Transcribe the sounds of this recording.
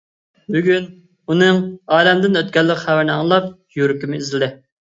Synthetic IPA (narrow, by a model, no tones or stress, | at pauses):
byɡʲyn | unɨŋɑːlɛmd̪ɪnøt̪̚kʲɛlːɪqχæwæɾnɨɑŋlˠɑp̚ | juɾɪkʲimɪizld̪ɪ